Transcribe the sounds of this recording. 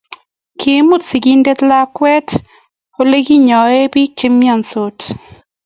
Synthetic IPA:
kʰi˨˦mu˦tsi˨ɡi˦nde˦tla˦kwɛ˦t | o˦le˦ɡi˦ɲɔ˨e˦bi˦t͡ʃɪ˦mːja˦˨nso˨˦t

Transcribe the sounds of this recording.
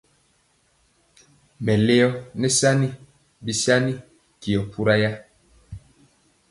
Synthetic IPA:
mɛ˨le˦jɔ˦nɛ˦sa˦ni˦ | bi˨sa˦ni˦ | ki˨ɔ˨pʰu˦ɾa˦ja˦

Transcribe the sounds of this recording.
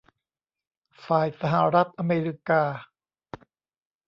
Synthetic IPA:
faː˨˩jsa˧ɦa˩˦ɾa˦˥t̪̚ʔa˧meː˧ɾi˦˥kaː˧

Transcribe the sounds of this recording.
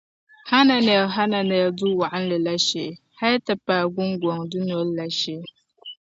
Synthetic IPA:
ha˦na˨nɛ˨ɦa˦na˨nɛ˨ldu˦wa˨ʔa˦n̩˦lɨ˨la˦ʃe˨ | ha˦ta˨paː˨ɡʊ˦ŋɡʷɔ˨ŋdʊ˦n˨ɔ˨˦lla˨ʃe˦

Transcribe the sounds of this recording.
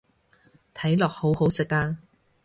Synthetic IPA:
t̪ʰɐ˨˥jlɔː˨k̚ho˨˥who˨˥wsɪ˨kːaː˥

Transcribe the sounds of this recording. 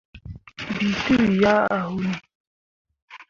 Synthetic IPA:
bi˨tu˦˨ja˦a˨hu˦ni˨

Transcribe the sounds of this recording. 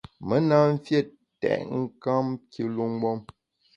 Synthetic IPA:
mə˦na˦m̩˦fje˦˨ | tɛ̰˨ʔŋ̩˦ka˦mkʰi˦lu˦ŋ˦ɡ͡bɔ˦m

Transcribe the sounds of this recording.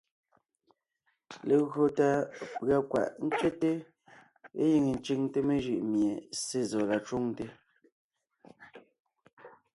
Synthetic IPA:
le˨ɣɰo˨ta˨pɰa˨kwa̰˨ʔn̩˦t͡ʃe˦te˦ | e˦ji˨ŋe˨n˦t͡ʃi˦˨ŋte˦me˦ʒʉ˨ʔmje˨se˦˨zɔ˨la˨t͡ʃo˦ŋte˦

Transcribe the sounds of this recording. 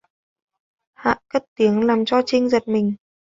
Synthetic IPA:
ha̰ː˧˨kə˦˥t̚t̪i˨˦əŋlaː˨˩mt͡ɕɔ˧t͡ɕï˧ŋ̟zə˨˩t̚mï˨˩ŋ̟

